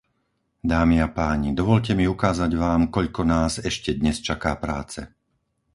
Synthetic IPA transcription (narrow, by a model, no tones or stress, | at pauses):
d̪aːmiapaːɲid̪ɔʋɔʎcɛmiukaːzaɟʋaːmkɔʎkɔnaːzɛʃcɛd̪ɲɛst͡ʃakaːpɾaːt͡sɛ̰